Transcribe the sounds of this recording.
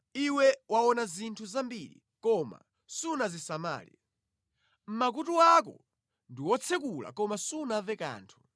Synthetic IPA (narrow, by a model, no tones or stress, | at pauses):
iwɛwawɔnazintʰuzambiɾḭ | kɔma̰ | sunazisama̰ːlḭa | m̩mak̬utuak̬ɔ̰ | ndiwɔt͡sʰɛk̬ula̰kɔmasunavɛka̰ːntʰu̥